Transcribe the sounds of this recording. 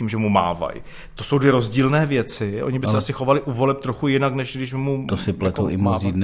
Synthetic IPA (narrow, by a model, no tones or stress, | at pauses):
iːmʒɛmuma̰ːva̰j | t̪o̞so̞wdvjɛɾo̞zɟiːlnɛːvjɛt͡sɪʔo̞̰ɲɪbɪsɛʔasɪxo̞valɪʔuvo̞lɛp̚t̪ɾoxujɪnaknɛʃɡdɪʃbɪmut̪osɪplɛt̪oʔɪmoziːdn